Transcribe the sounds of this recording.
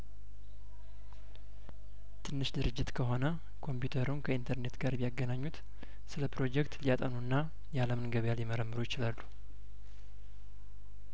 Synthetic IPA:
t̪ʰɨnːɨʃd̪ɨɾɨd͡ʒːɪt̪kʰəɦo̞nə | kʰo̞mpjut̪ʰəɾunkʰəint̪ʰəɾne̞t̪ɡaɾbijaɡːənaɲːut̪ | sɨləpɾo̞d͡ʒɛkt̪lijat̪ʼənuɨnːa | jaləmɨnɡəβjaljɛməɾəmːɨɾojɪt͡ʃɪlalːu

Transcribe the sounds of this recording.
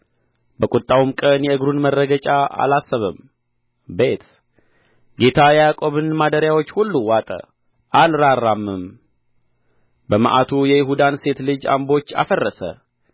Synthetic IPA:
bəkʼut̪ʼːawumkʼənjɛɨɡɾunmərːəɡət͡ʃʼaa̰lasːəβəm | be̞t̪ | ɡe̞t̪ʰajɛjakʼo̞βɨnmad̪əɾjawo̞t͡ʃːhulːuwat̪ʼə̰ | ʔalɾarːamːɨm | bəmə̰ʔat̪ʰujɛjɪɦud̪anse̞t̪lɨd͡ʒa̰mbo̞t͡ʃːa̰fərːəsə̰

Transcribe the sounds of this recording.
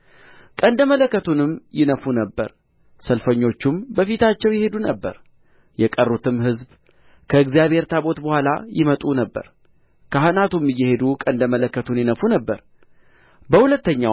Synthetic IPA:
kʼənd̪əmələkːət̪ʰunɨmjɪnəfunəbːə̰ɾ | səlfəɲːo̞t͡ʃːumbəfit̪ʰat͡ʃːɛwjɛhe̞d̪unəbːə̰ɾ | jɛkʼərːut̪ʰɨmɦɨzb | kʰəɨɡzijaβhe̞ɾt̪ʰabo̞t̪bəhʷala̰jɪmət̪ʼunəbːə̰ɾ | kʰahnat̪umɨjːɛhe̞d̪ukʼənd̪əmələkːət̪ʰunjɪnəfunəbːəɾ | bəhulət̪ːəɲːa

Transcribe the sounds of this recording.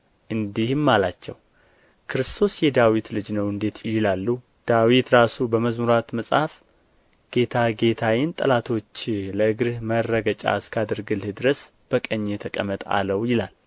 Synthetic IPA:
ʔɨnd̪ihmːalat͡ʃːɛ̰w | kʰɨɾɨst̪ʰo̞sjɛd̪awit̪lɨd͡ʒnəwɨnd̪e̞t̪jɪlalːu | d̪̥awit̪ɾasubəməzmuɾat̪məsʼhaf | ɡ̥e̞t̪ʰaɡe̞t̪ʰawɪnt̪ʼə̰lat̪ʰo̞t͡ʃːləɨɡɾɨhmərːəɡət͡ʃʼa̰ɨskʰad̪ɨɾɡɨlhɨd̪ɨɾəs | b̥əkʼəɲːet̪ʰəkʼə̰mːət̪ʼa̰ləwjɪlal

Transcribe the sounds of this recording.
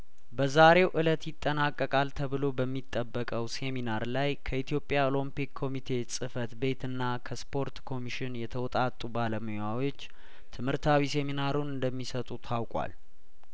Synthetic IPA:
bəzaɾe̞wʔɨlət̪jɪt̪ʼːənakʼːəkʼalt̪ʰəβɨlo̞bəmːit̪ʼːəbːəkʼəwse̞minaɾlajkʰəit̪ʰijo̞pʼːjaolompikʰːo̞mit̪ʰe̞sʼɨfət̪be̞t̪ɨnːakʰəspʰo̞ɾt̪kʰo̞miʃɪnjɛt̪ʰəwɔt̪ʼat̪ʼːubaləmɨjawo̞t͡ʃː | t̪ʰɨmhɨɾt̪ʰawiseminaɾunɨnd̪əmːisət̪ʼut̪ʰawkʼwa̰l

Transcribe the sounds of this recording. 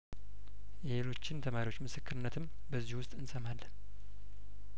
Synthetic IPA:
jɛhelo̞t͡ʃːɪnt̪ʰəmaɾiwo̞t͡ʃːmɨsɨkːɨɾɨnːət̪ʰɨm | bəzːihwʊst̪ʼɨnsəmalːən

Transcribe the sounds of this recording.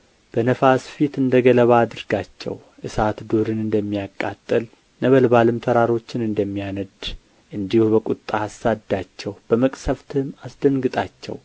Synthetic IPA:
b̥ənəfasfit̪ɨnd̪əɡələβaːd̪ɨɾɡat͡ʃːɛ̰w | ʔɨsat̪d̪uɾɨnɨnd̪əmːijakʼːa̰t̪ʼːəl | nəβəlbalɨmt̪ʰəɾaɾo̞t͡ʃːɪnɨnd̪əmːijanəd̪ | ʔɨnd̪ihubəkʼut̪ʼːaasːad̪ːat͡ʃːɛwb̥əməkʼsəft̪ʰɨmasd̪əŋɡɨt̪ʼat͡ʃːɛ̰w

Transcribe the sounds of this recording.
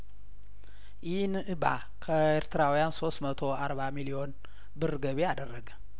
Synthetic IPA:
ʔinɨʔɨba̰ | kʰɐeɾt̪ʰɨɾawijanso̞smɐt̪ʰo̞aɾbamilio̞n | bɨrɨɡɐβiad̪ɐrɐɡɨ

